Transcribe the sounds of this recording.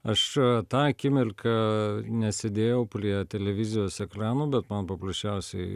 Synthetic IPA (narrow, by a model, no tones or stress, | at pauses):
ɐʃt̪ɑːkʲɪmʲɪlʲkʰɐnʲɛsʲɛd̪ʲeːjɛʊpʲrʲiɛt̪ʲɛlʲɛʋʲɪzʲɪjoːsɛkɾɑːnuːbʲɛt̪mɐnpɐpɾɐsʲt͡ʃʲɛʊsʲɛɪ